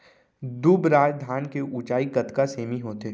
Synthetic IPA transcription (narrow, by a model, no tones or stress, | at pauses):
d̪ubɾaːd͡ʒd̪ʱaːnkeʔuːt͡ʃaːikɐt̪kaseːmiɦoːt̪eː